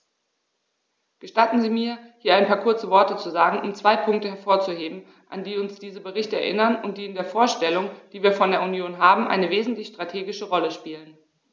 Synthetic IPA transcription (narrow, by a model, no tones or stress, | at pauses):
ɡ̥əʃtatn̩ziːmiːɐhiːɐaɪnpʰaːɐkʰʊɐt͡səvɔɐtət͡suzaːɡŋ̩ʔʊmt͡sv̥aɪpʰʊŋk̚təɦɛɐfoːɐt͡suheːbm̩ | ʔa̰ndiːʊnsd̥iːzəbəʁɪçtəɛ̰ɐʔɪnɐnʊnt̚d̥iːɪndeːɐfoːɐʃtɛlʊŋd̥iːviːɐfɔndeːɐunjoːnɦaːbm̩ʔa̰ɪnəveːzn̩tlɪçʃtʁ̥atʰeːɡɪʃəʁɔləʃpiːlən